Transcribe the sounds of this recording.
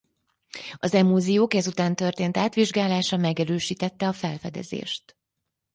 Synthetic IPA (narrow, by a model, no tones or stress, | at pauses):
ɒzɛmuːzijoːkɛzut̪aːnt̪ørt̪eːnt̪aːt̪ʋiʒɡaːlaːʃɒmɛɡɛɾøːʃiːt̪ɛt̪ːɛɒfɛlfɛd̪ɛ̰zḛːʃt̪